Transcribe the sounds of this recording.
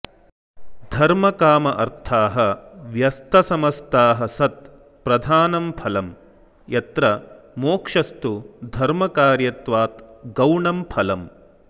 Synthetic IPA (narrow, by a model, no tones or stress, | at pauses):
d̪ʱɐɾmɐkaːmɐʔɐɾt̪ʰaːɦɐʋjɐst̪ɐsɐmɐst̪aːɦɐsɐt̪̚ | pɾɐd̪ʱaːnɐmpʰɐlɐm | jɐt̪ɾɐ | moːkʂɐst̪ud̪ʱɐɾmɐkaːɾjɐt̪ʋaːt̪ɡɐwɳɐmpʰɐlɐm